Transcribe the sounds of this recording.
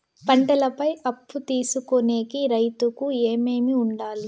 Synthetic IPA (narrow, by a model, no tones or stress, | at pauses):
pɐɳʈɐlɐpɐjɐpːut̪iːsukone̞ːkiɾɐjt̪ukueːme̞ːmiuɳɖaːli